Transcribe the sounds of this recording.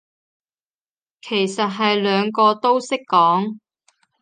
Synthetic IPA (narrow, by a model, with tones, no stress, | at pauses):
kʰe˨˩jsɐ˨t̚ɦɐ˨jlœː˨˧ŋkɔː˧t̪o˥wsɪ˥kːɔː˨˥ŋ